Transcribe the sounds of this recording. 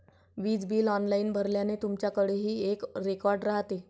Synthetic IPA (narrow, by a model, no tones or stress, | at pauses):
ʋiːd͡zbiːlɔnlainbʱəɾljanet̪umt͡ɕjakəɽeɦiːekɾekɔɾɖɾaɦt̪e